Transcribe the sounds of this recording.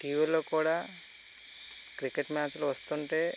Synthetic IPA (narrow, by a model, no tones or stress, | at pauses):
kiːʋelːoːkuːɽaː | kɾikeʈmaːt͡ʃluʋɐst̪uɳʈe̞ː